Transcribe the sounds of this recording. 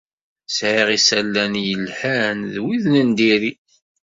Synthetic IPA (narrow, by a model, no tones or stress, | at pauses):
sʕiʁisælːænjəlħænðwiðnənd̪iɾi